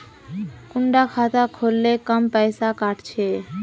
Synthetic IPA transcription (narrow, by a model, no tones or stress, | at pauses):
kʊɳɖakʰat̪akʰolːekəmpəjsakaʈt͡ʃʰe